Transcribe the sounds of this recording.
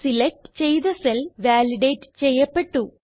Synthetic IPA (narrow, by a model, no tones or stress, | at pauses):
silek̚ʈɨ̥t͡ɕe̞jðɐselʋaːliɖeːʈːɨ̥t͡ɕe̞jːɐpːe̞ʈːu